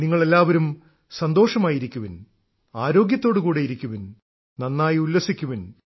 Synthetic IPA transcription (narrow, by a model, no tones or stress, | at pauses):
niŋːɐɭe̞lːaːʋɐɾum | sɐnd̪o̞ːʂɐmaːjiɾikʲːuʋin | aːɾo̞ːɡjɐt̪ːoːɽɨkuːɽejiɾikʲːuʋin | nɐnːaːjulːɐsikʲːuʋin